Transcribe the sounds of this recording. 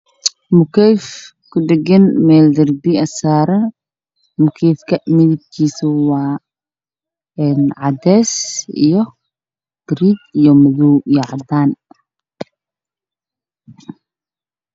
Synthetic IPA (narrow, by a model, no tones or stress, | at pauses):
mʊkʰɛjf | kʰʊɖɛɡɛnmɛːld̪ɐrbiɐsaːɾɐ | mʊkʰɛjfkʰɐmɪðɪb̚kʰiːsʊwɑː | ɛnʕɑd̪ɛːsḭjɔ | ɡ̥ɾiːd̪ijɔmʊðuwjɑʕd̪aːn